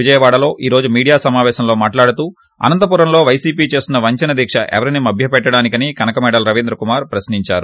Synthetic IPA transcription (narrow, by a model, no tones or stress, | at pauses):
ʋid͡ʒɐjɐʋaːɽɐlo̞ːʔiːɾo̞ːd͡ʒumiːɽijaːsɐmaːʋɛːʃɐmlo̞ːmaːʈlaːɽut̪uː | ɐ̰nɐnt̪ɐp̬uːɾɐmlo̞ːʋɐjsiːpiːt͡ʃe̞ːst̪unːɐʋɐɲt͡ʃɐnɐd̪ʱiːkʂɐ̰ʔɛ̰ʋɐɾinimɐbʱjɐpɛʈːɐɽaːnikɐnikɐnɐkɐmɛːɽɐlɾɐʋiːnd̪ɾɐkumaːɾpɾɐsniɲt͡ʃa̰ːɾu